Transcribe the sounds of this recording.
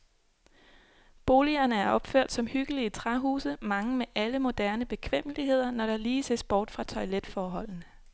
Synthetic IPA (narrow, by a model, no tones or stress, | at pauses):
b̥o̝ːliɐnəæɐʔɒ̽b̥føɐ̰d̥sɒ̽mhyɡ̥əlit͡sʰʁaɦṵːsəmɑ̈ŋəmeʔæləmo̝d̥æɐnəb̥e̝kʰʋem̰əliɦe̝ð̞̰ˠɐnɒɾ̥ɑ̈liːse̝sb̥ɒːd̥fʁɑ̈t͡sʰɒ̽ɪled̥fɒːɦɒ̽l̰n̩